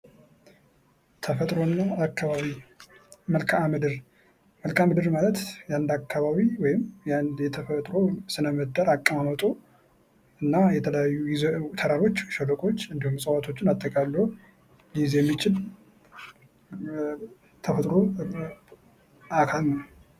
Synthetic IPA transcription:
t̪ʰəfət̪ʼɾo̞nːaːkʰːaβaβi | məlkʰamɨd̪ɨɾ | məlkʰamɨd̪ɨɾmalət̪jand̪akʰːaβaβiwɔjɪmjand̪jɛt̪ʰəfət̪ʼɾo̞sɨnəmɨd̪aɾakʼːəmamət̪ʼo | ɨnːajɛt̪ʰələjajːujizt̪ʰəɾaɾo̞t͡ʃːʃələkʼo̞t͡ʃːɨnd̪ihumsʼəwat̪ʰo̞t͡ʃːɪnat̪ʼːəkʼalːəhu | lizjɛmːit͡ʃɪl | t̪ʰəfət̪ʼɾo̞ | akʰalnəw

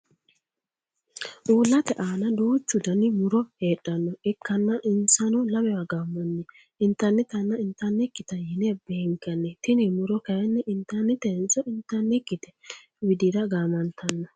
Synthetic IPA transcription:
ʔuːlːɐt̪ɛʔaːnɐd̪uːt͡ʃːʊd̪ɐnɪmʊɾɔheːɗːɐnːɔɪkʰːɐnːɐʔɪnsɐnɔlɐbɛwɐɡamːɔnːɪ | ɪnt̪ɐɾnɛt̪ɐnːɐɪnt̪ɐɾnɛkːɪt̪ɐjɪnɛbeːŋkːɐnːɛt̪ɪnɪmʊɾɔkɐjɐnːɛʔɪnt̪ɐɾnɛt̪ɛnsɔɪnt̪ɐɾnɛkːɪt̪ɛ̥ | wɪd̪ɪɾɐɡaːmɐnt̪ʰɐnːɔ

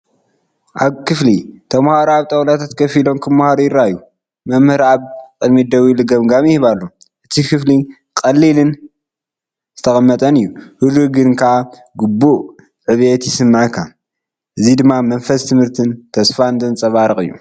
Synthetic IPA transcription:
ʔaβkʰɨflit̪ʰɐmhaɾoaβt̪ʼɐwʼlat̪ʰat̪kʰɐfilo̞mkʰɐmahaɾojɪɾaju | mɐmhɨɾaβkʼɨd̪mit̪̚d̪ɐwilɨɡɐmɡamjɪhɨβalːo | ʔɨt̪ʰikʰɨfli | kʼɐlːilɨn | zɨt̪ʰɐxʼɐmːɐt̪ʼɐnɨjːuhɨd̪ɾuɡɨnkʰaʕa | ɡubːuʔ | ʕɨβjet̪jɪsɨmːaʕkʰːa | ʔɨzid̪ɨmːamɐnfɐst̪ʰɨmhɨɾt̪ʰɨnt̪ʰɐsfand̪ɨnt͡sʼɐβaɾɨkʼɨjːṵ

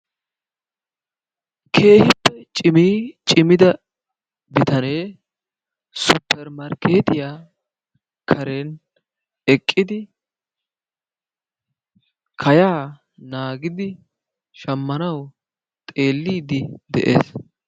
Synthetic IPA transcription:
kʰe̞ːhɪpːɛt͡ʃʼɪmiːt͡ʃʼɪmɪd̪ɐ | bɪt̪ɐne̞ː | sʊpːɛɾmɐɾkʰe̞ːt̪ɪjaː | kʰɐɾe̞ːn | ɛkʼːɪd̪ɪ | kʰɐjaː | naːɡɪd̪ɪ | ʃɐmːɐnɐw | t̪ʼe̞ːlːiːd̪ɪd̪ɛ̰ʔḛːs

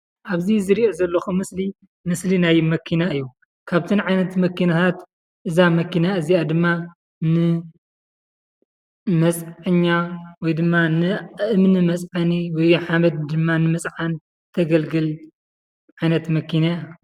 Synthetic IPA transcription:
ʔaβzizɨɾiʔozɐlːɐxumɨsli | mɨslinajmɐkʰinaɨjːu | kʰaβt̪ʰɨnʕajnɐt̪mɐkʰːinɐt̪ʰat̪ | ʔɨzamɐkinaɨziad̪ɨmːa | nɨ | mɐt͡sʼʕɨɲːawɔjd̪ɨmːanɨʔɨmnɨmɐt͡sʼʕaniwɔjħamɐd̪̚d̪ɨmːanɨmɨt͡sʼʕan | t̪ʰɐɡɐlɡɨl | ʕajnɐt̪mɐkʰinaja

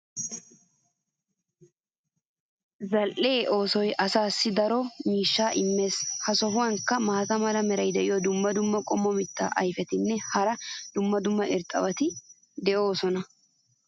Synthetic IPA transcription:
zɐlʔeːʔo̞ːsɔjʔɐsaːsːɪd̪ɐɾɔmiːʃːaːʔɪmːe̞ːshɐsɔhʊwɐŋkːɐmaːt̪ɐmɐlɐmɛɾɐjd̪ɛʔɪjɔd̪ʊmːɐd̪ʊmːɐkʼɔmːɔmɪt̪ːa̰ːʔɐ̰jfɛt̪ɪnːɛhɐɾɐd̪̥ʊmːɐd̪ʊmːɐʔɪɾt̪ʼːɐ̰bɐt̪ɪ | d̪ɛʔo̞ːsɔnɐ

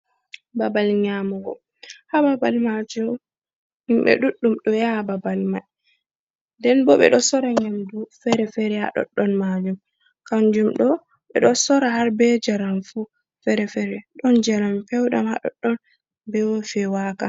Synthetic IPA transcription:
babalɲamuɡɔ̰ | hababalmad͡ʒum | imɓɛ̰ɗuɗːumɗɔjahababalma | ndɛnbɔɓɛ̰ɗɔsɔɾaɲamdufɛɾɛfɛɾɛha̰ɗɔ̰ɗːɔnmad͡ʒum | kaɲd͡ʒumɗɔ | ɓɛ̰ɗɔsɔɾahaɾbɛd͡ʒaɾamfu | fɛɾɛfɛɾɛɗɔnd͡ʒaɾampɛwɗa̰mha̰ɗɔ̰ɗːɔn | bɛwofɛwaka

